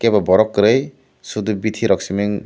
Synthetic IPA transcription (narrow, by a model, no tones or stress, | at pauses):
kebabɔɾɔkːɾɯj | sud̪ubitʰiɾɔksimeŋ